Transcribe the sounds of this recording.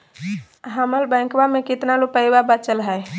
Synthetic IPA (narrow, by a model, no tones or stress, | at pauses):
ɦaməlbə̃ɪŋkbamekit̪nalupəjbabət͡ʃəlɦəj